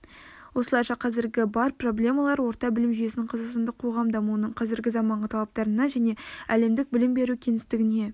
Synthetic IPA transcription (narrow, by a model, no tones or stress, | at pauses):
wo̞slˠɑjʃɑqʰɑzɪɾɡʲɪbɑɾpro̞blʲe̞mɑlˠɑɾwo̞ɾt̪ɑbɪlɪmʒyjeɪnɪɴqʰɑzəqst̪ɑnd̪əqʰo̞ʁɑmd̪ɑmuənəɴqʰɑzɪɾɡʲɪzɑmɑɴʁət̪ʰɑlˠɑp̚t̪ɑɾənɑʒæne̞æle̞md̪ɪk̚bɪlɪmbe̞ɾukʲʰe̞nɪst̪ɪɡʲɪne